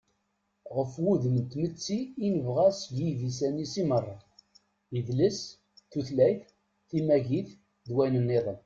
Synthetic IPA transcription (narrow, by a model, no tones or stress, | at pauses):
ʁəfwuðmənt̪mət͡sːiːnəvʁæsvivisænisimərˤːɑ | iðləs | θuθlæjθ | θimæʝiθ | ðwæjnənːiðˤən